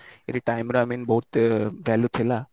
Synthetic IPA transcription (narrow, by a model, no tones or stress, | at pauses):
iɾiʈajmɾoamiːnbɐɦut̪ʋæːljut̪ʰila